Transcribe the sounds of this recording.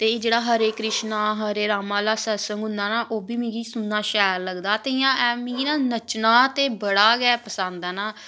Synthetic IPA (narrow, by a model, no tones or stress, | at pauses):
t̪eːeːd͡ʒeːɽaːɦəɾeːkɾɪʃnaːɦəɾeːɾaːmãːlaːsɛːsə̃ŋɡʊ̃nd̪aːnaːʔoːbiːmĩːɡiːsʊnd̪aːʃɛːɾləɡd̪aːt̪eːijãːɛːmĩːɡinãːnət͡ʃnaːt̪eːbəɽaːɡɛːpəsãnd̪ɛːnaː